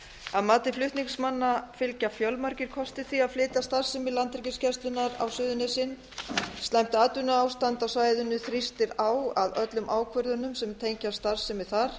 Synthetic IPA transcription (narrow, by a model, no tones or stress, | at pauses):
aðmaːt̪ɪflʏht̪niŋsmanːafɪlcafjœlmaɾcɪɾ̥kʰɔst̪ɪθiaðflɪːt̪ast̪ar̥sɪmɪlant̪ɾɛcɪscʰɛst̪lʏnːaɾa̰wsʏːðʏnɪsɪnː | st̪lajm̥t̪ɪat̪ʏnaaːwst̪ant̪awsaːjðʏnːʏθɾist̪ɪɾaːwaðœt̪lʏmʔaːwkʰvʏɾðʏnʏmsɛmt̪ʰejɲcast̪ar̥sɪmɪθaɾ̥